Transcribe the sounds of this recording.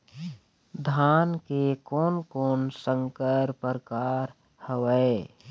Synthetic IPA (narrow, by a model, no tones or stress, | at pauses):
d̪ʱaːnkekoːnkoːnsə̃ŋkəɾpəɾkaːɾ | həʋəe